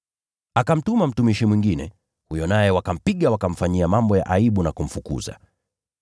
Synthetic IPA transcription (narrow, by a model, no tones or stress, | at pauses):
akam̩tumam̩tumiʃimwiŋɡinɛ̰ | hujɔnajɛwakam̩piɠawakam̩faɲiamambɔja̰ʔaiɓunakum̩fukṵza̰